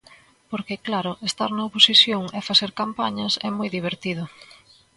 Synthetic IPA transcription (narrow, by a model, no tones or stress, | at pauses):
poɾkeklaɾʊʔest̪aɾnɐoposiθjoŋefaθeɾkampaɲɐsɛ̰mojðiβ̞eɾt̪iðʊ